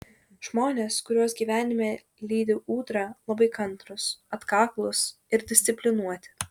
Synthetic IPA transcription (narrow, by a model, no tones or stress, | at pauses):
ʒ̥moːnʲeːskʊɾʲuɔsɡʲiːʋʲæːnʲɪmʲeː | lʲiːd̪ʲɪʔuːt̪ɾɑlˠɐbɐɪkɐnˑt̪ɾʊsɐt̪kɑːklˠʊs | ɪɾd̪ʲɪsʲt̪sʲɪpʲlʲɪnuɔt̪ʲɪ̥